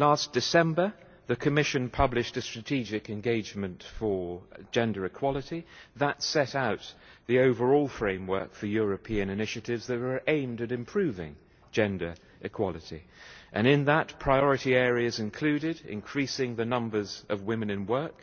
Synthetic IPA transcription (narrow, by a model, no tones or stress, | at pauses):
læsd̥ɨsɛ̃mbə˞ | ðɨkʰɨmɪʃɨ̃npʰʌblɨʃtɨstɹ̥ɨtʰid͡ʒɪkɨ̃nɡeɪd͡ʒmɨ̃ntfə̥˞d͡ʒɛ̃ndə˞ɨkʰw̥ɑlˠəɾiðətsɛɾaʊt̪̚ðioʊvə˞ɔlˠfɹẽɪ̃mwɜ̰˞kfə˞jʊɹɨpʰiɨ̃nɨnɪʃɨɾɪvzðɨɾə˞ʔẽɪ̃mdɨɾɨ̃mpʰɹ̥ʉvɪ̰̃ŋ | d͡ʒɛ̃ndə˞ | ʔɨkʰw̥ɑlˠɨɾḭʔɨ̃ñɪ̃nðətpʰɹ̥aɪɔɹɨɾiɛɹiɨzɨ̃nkʰl̥ʉɾɪɾɪ̰̃nkʰɹ̥isɪ̃ŋðɨnʌ̃mbə˞zʌvwɪ̃mɨ̃nɨ̃nwɜ˞k